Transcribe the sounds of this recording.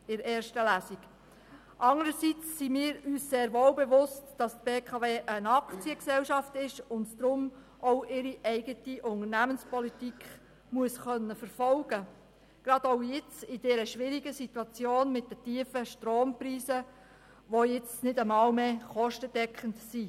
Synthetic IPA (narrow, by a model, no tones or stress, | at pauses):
ɪɾɛːɾʃtəlæsiɡ | ʔɑŋəɾəsit͡sːimiːɾyːsseːɾʋoːlbɛʋʊstd̥ɑst̚b̥eːkʰɑveːʔənɑkt͡siəksɛwʃɑftɪʃʊndd̥ɾʊm | ʔoʊʔɪɾiʔɛɪɡətiʔʊŋəɾnæmənspɔlitikχ | muəsχœnːəfəɾfɔlɡ̥ə | ɡ̥ɾɑd̥oʊjɪt͡sɪd̥ɛːɾəʃʋɪɾiɡəsituɑt͡sjoːnmɪt̚dətiːəfəʃtɾoːmpɾiːsə | ʋojɪt͡snɪdəmɑːlmeːχɔʃtəd̥ɛkʰχəntsi